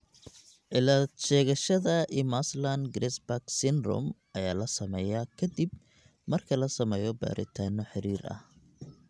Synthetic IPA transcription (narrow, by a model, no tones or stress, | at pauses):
ʔɪlaʃɛːɣɐʃɐðɐʔimaslanɡɾɛsbaksɪnd̪rɔ̰mʔɐjaːlɐsɐmɛjɐkʰɐd̪ib | mɐrkʰɐlɐsɐmɛːjɔba̰ːɾʔɪ̰t̪ʰaːnːɔħɪɾiːɾʔɐ̰h